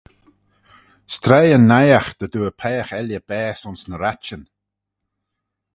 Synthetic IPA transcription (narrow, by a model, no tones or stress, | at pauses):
st̪ɾɛjənːajaxd̪̥əduːəpʰɛːxɛljəb̥ɛːsʊnsnəɾat͡ʃən